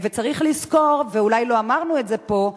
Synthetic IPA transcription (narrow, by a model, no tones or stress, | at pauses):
vet͡saʁiχlisko̞ʁveulajlo̞amaʁnuetze̞po̞